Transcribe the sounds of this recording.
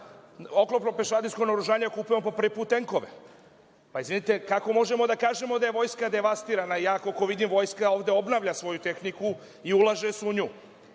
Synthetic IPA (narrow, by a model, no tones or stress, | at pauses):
o̞klˠo̞pnope̞ʃaːd̪iskonaoɾuʒaːɲeokupujemopopɾ̩ʋipuːt̪ːe̞ŋko̞ʋḛ | paizʋinit̪e̞kako̞mo̞ʒe̞mo̞d̪akaːʒe̞mo̞d̪aje̞ʋo̞jskad̪e̞ʋast̪iːɾanaijaːkoko̞ʋid̪imʋo̞jskao̞ːʋd̪e̞o̞bnaʋʎasʋo̞jut̪e̞xniku | iulaʒesuɲuː